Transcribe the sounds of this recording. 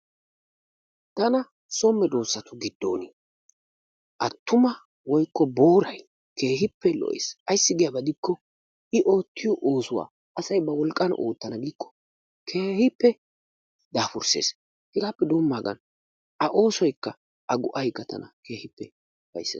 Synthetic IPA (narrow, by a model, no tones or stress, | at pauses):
t̪ɐnɐ | sɔmːɛd̪o̞ːsːɐt̪ʊɡɪd̪ːo̞̰ːni | ʔɐt̪ːʊmɐ | wɔjkːɔbo̞ːɾɐj | ke̞ːɦɪpːɛlɔ̰ʔḛːsɐjsːɪɡɪjabɐd̪ɪkːɔ | ɪʔo̞ːt̪ːɪjɔʔoːsʊwa̰ː | ʔɐsɐjbɐwɔlkʼːɐnʔo̰ːt̪ːɐnɐɡiːkːɔ̥ | kʰe̞ːhɪpːɛ | d̪aːfʊɾse̞̰ːs | hɪɡaːpːɛd̪oːmːaːɡɐ̰n | ɐʔo̞ːsɔjkːɐ | ʔɐɡʊʔɐjkːɐt̪ʰɐ̰nɐ̰ke̞ːhɪpːɛ | b̥ɐ̰jsːḛ